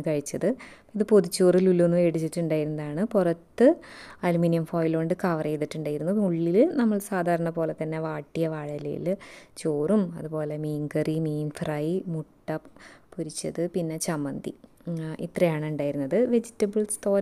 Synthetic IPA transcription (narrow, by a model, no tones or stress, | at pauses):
ɳkɐɻit͡ɕːɐðɨ | iðɨpo̞ðut͡ɕːoːrilulːonːue̞ːɽit͡ɕːiʈːuɳɖaːjiɾunːɐðaːɳɨpurɐt̪ːɨɐluminijɐmfoːjloːɳɖɨkɐʋɐrɐjiðiʈːuɳɖaːjiɾunːuuɭːilnɐmːɐɭsaːd̪ʱaːɾɐɳɐpo̞ːle̞t̪ːɐnːe̞ʋaːʈːijɐʋaːɻɐlɐ̰jḭlt͡ɕoːrumɐ̰ðupo̞ːle̞miːŋɡɐrimiːnfrɐjmuʈːɐpːuɾit͡ɕːɐðɨpinːe̞t͡ɕɐmɐnd̪ḭ | ḭt̪rɐjaːɳɨuɳɖaːjiɾunːɐðɨʋe̞d͡ʑitːɐbɨɭst̪o̞ːɾ